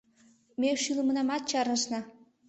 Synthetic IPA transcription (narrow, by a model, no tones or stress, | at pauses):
mʲeʃyləmənɑmɑt̪̚t͡ɕɑrnɤ̆ʃnɑ